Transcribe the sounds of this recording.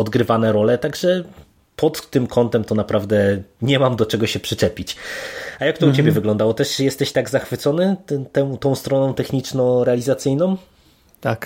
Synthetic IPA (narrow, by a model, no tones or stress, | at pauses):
ɔd̪ɡɾɘvanɛɾɔlɛt̪aɡʐɛ | pɔt̪ːɘmkʰɔnt̪ɛmt̪ɔnapɾavd̪ɛɲɛmamd̪ɔt͡ʂɛɡɔɕɛpʂɘt͡ʂɛpʲit͡ɕajak̚t̪ɔut͡ɕebʲjɛvɘɡlɔnd̪awɔt̪ɛʂjɛst̪ɛɕt̪aɡzaxfɘt̪sɔnɘt̪ɛ̃t̪ɔ̃w̃st̪ɾɔnɔ̃w̃t̪ɛxɲit͡ʂnɔ̃w̃ɾɛalʲizat̪sɘjnɔ̃w̃ | t̪ak